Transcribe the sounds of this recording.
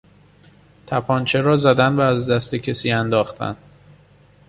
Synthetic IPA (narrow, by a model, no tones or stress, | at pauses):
t̪ʰæpʰɒːnt͡ʃʰeɾɒːzæd̪ænvæːzd̪æst̪ecʰesiːænd̪ɒːxt̪ʰæ̰n